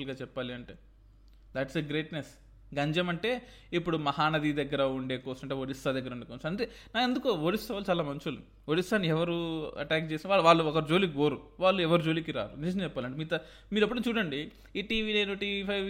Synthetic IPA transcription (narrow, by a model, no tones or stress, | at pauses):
lɡaːt͡ʃɛpːaːliɐɳʈeː | d̪æʈseɡɾe̞ːʈnes | ɡɐɲd͡ʒɐmɐɳʈe̞ː | ipːuɽumɐɦaːnɐd̪id̪ɐɡːɐɾɐuɳɖeːkɔːsɐmɐɳʈeʋoɽist̪aːd̪ɐɡːɐɾɐunɖekonsɐɳʈeːnaːkend̪ukoʋoɽist̪ɐʋaːlut͡ʃaːlaːmɐɲt͡ʃulu | ʋoɽist̪aːnːiɛʋɐɾuɐ̰ʈaːk̚t͡ʃeːsinʋaːɭʋaːɭːuɔkɐɾud͡ʒo̞ːliɡoːɾuʋaːɭːuɛʋɐɾud͡ʒoːlikiɾa̰ːɾunis̬ɐnt͡ʃɛpːaːliɐɳʈemiːt̪ɐ | miːɾɐpːɐʈɐmt͡ʃuːɽɐɳɖi | iːʈiːʋiːnɐjnuʈiːʋipʰɐj